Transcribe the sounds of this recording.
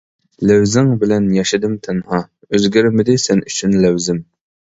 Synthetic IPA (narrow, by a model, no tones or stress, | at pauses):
læwzɪŋbɪlɛnjɑʃɪd̪ɨmt̪ʰɛnhɑ | øzɡʲyɾmɪd̪ɪsɛnyt͡ʃʰynlæwzɪm